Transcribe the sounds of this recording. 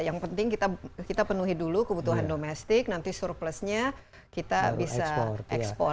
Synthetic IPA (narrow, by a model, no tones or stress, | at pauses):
jaŋpənt̪ɪŋkit̪akit̪apənuɦidulukəbut̪uɦandomɛst̪ɪk̚nant̪isurpləsɲa | kit̪abisaɛ̰kspɔ̰